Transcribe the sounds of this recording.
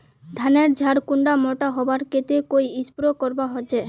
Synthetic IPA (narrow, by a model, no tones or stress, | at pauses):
d̪ʱaneɾd͡ʑʱaɾkuɳɖamɔʈaɦɔbaɾket̪ekojispɾokɔɾbaɦot͡ɕe